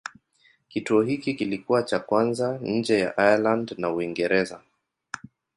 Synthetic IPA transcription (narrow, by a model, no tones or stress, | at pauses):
kituɔhikikilikuwat͡ʃakwanzaɲ̩d͡ʒɛjaʔajalandnauiŋɡɛɾɛza